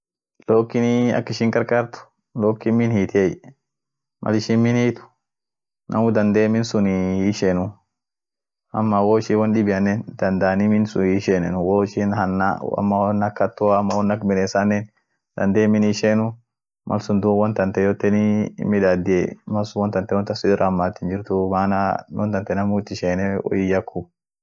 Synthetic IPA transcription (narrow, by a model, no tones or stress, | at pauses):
loːkːɪniɐ̰kːɪʃɪŋkʼɐɾkaːɾt̪ʊ̥ | loːkːɪmɪnhiːt̪ej | mʔɐ̰lɪʃɪnmɪnhiːt̪ʊ̥ | nʔɐ̰mʊd̪ɐnd̪eːmɪnsʊniɪʃenʊ | ɐmːawoːɪʃɪwɔnɗɪbɪjɐnːɛnd̪̥ɐnd̪aːnimɪnsʊɪʃenɛnʊwoɪʃɪnhɐnːa̰mːanːɐkːɐt̪ːʊaːmːɐwɔnːɐkmɪneːsanːɛn | d̪̥ɐnd̪eːmːɪnːʃeːnʊ | mʔɐ̰lsʊnd̪uwɔnt̪ɐnt̪ɛjɔt̪ːɛnimɪd̪ad̪ɪɛmɐsʊwɔnt̪ɐnt̪ɛwɔnt̪ɐsʊd̪ɪɾʔɐmːat̪ːɪnd͡ʒɪɾt̪ʊmaːnawɔnt̪ɐnt̪ɛnɐmʊt̪ːɪʃeːnɛwʔɔ̰jɪjɐkʰːʊb̚